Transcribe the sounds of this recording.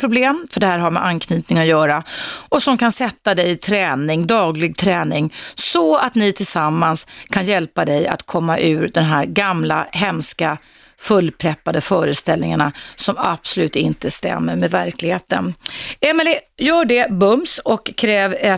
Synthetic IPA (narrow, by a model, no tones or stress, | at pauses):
pʰɾʊbleːmfœɖɛhæːɾɦaɾmɛ̰ʔankʰnyːt̪nɪŋɔjœːɾaɔsɔmkansɛt̪ːad̪ɛjt̪ʰɾɛːnɪŋd̪ɑːɡlɪɡ̚t̪ʰɾɛːnɪŋsɔat̪nɪt̪ʰɪlsamːanskʰanjɛlpad̪ɛja̰t̪kʰɔmːaʔʉ̟ːɾd̪ɛnɦæːɾɡamlaɦɛmska | fɵlːpʰɾɛpːad̪əfœːɾəst̪ɛlnɪŋaɳasɔmab̥sʊlʉ̟ːt̪ɪnt̪əst̪ɛ̰mːəɾmɛːd̪væɾklɪɡheːt̪ə̰nɛmɛlɪjœːɖɛbɵmsɔkʰːɾɛːvɛ